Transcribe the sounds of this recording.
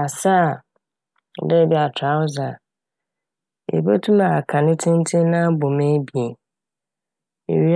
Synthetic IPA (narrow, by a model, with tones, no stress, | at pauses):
a˨sa˦˨ | dɛ˦˨bi˦a˨tʰa˨˦wʊ˦za˨ | ḛ˨be˦tʰũ˦ma˨kʰã˨nɪ̃˦tʰɪ̃˦n̩˦tʰɪ̃˦nã˦bo˨mẽ˦bi˨e˨ | ḛ˨ɥi˦